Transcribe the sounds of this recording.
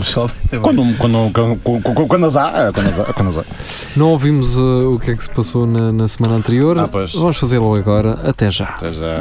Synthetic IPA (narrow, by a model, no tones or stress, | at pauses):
sɔvt̪ekɐ̃nd̪kwɐ̃nd̪ukɐ̃kɐ̃kkɐ̃kwɐ̃d̪ɐzakwɐ̃nd̪ɐza̰kwɐ̃nɐza̰nɐ̃w̃ovimuzuukɛksɨ̥pɐsonɐnɐsɨmɐ̃nɐ̃nt̪ɨɾioɾpoʃvɐmʊʃfɐzeɾlˠɐɐɣɔɾɐɐt̪ɛʒa̰ɐt̪ɛ̰ʒa̰